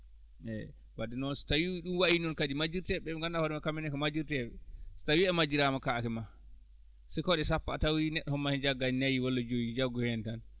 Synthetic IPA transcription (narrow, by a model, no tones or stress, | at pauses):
ʔɛ̰ | wadɛnɔnsi̥tawiwɗunwaʔinɔnkadimad͡ʒiɾtɛɓɛŋɡandahɔɾɛmakamɛnɛkɔmad͡ʒiɾtɛɓɛsi̥tawiɛmad͡ʒiɾamakaːkɛma | sɛkɔɗɛsapːa̰ːtawinɛɗːɔhɔmːahɛnd͡ʒaɡːanajiwɔlːɔd͡ʒojid͡ʒaɡːɔhɛntan